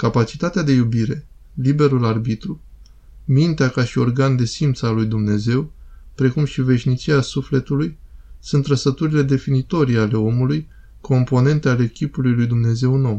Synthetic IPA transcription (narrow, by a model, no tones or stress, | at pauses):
kapat͡ʃi̥t̪at̪ead̪e̞jubiɾe̞ | libe̞ɾularbit̪ɾu | mint̪eakaʃio̞rɡand̪e̞simt̪salujd̪umne̞ze̞wpɾe̞kumʃive̞ʃʲnit͡ʃiasufle̞t̪ulujsunt̪ɾəsət̪uɾile̞d̪e̞finit̪o̞ɾiale̞o̞muluj | kʰo̞mpo̞ne̞nt̪eale̞kʲipulujlujd̪umne̞ze̞wno̞w